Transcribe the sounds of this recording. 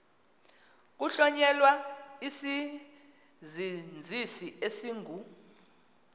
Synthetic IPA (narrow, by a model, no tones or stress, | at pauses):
k̬uɬɔɲɛlwaisi | zind͡zʱisiesiːŋɡʱu